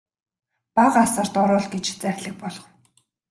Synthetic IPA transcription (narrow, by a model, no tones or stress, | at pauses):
paʁasə̆r̥t̪ɔɾʊːɮɡet͡ɕt͡sæxʲɮɘ̆k̚pɔɮɞ̆w